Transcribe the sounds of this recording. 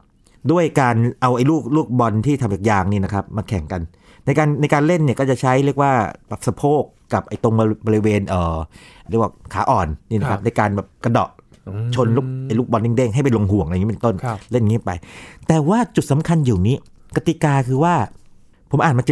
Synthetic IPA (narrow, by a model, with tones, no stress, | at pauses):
du˥˩əjkaː˧nʔa˧wʔa˧jluː˥˩k̚luː˥˩k̚bɔ˧nt̪ʰiː˥˩t̪ʰa˧ma˨˩k̚jaː˧ŋniː˥˩na˦˥kʰa˦˥p̚ma˧kʰɛ˨˩˦ŋka˧n | na˧jkaː˧nːa˧jkaː˧nle˥˩nːi˥˩əkɔː˥˩t͡ɕa˨˩t͡ɕʰa˦˥jɾi˥˩ək̚waː˥˩bɛː˨˩p̚sa˧pʰoː˥˩kːa˨˩p̚ʔa˧jt̪o˧ŋbbɔː˧i˦˧weː˧nʔɤː˨˩ɾi˥˩kwaː˥˩kʰaː˩˦ʔɔː˨˩nniː˥˩na˦˥kʰa˦˧p̚na˧jkaː˧nbɛː˨˩p̚ka˧dɔ̰˨˩ʔ | t͡ɕʰo˧nlu˥˩ʔa˧jluː˥˩k̚bɔ˧ni˥˩ŋde˥˩ŋɦa˥˩jpe˧nlo˧ŋɦu˨˩˦əŋʔpe˨˧nt̪o˥˩nle˥˩nŋiː˦˥˨pa̰˧jt̪ɛː˨˩waː˥˩t͡ɕu˨˩t̪̚sa˩˦mkʰa˧njiː˨˩niː˦˥ | ka˧˩t̪i˨˩kaː˧kʰɯː˧waː˥˩ | pʰo˩˦mʔaː˨˩ma˧t͡ɕ